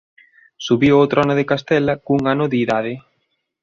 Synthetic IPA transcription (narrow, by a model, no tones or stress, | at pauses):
suβiowt̪ɾoanʊðekast̪ɛlakuŋanʊðːðað̞ɪ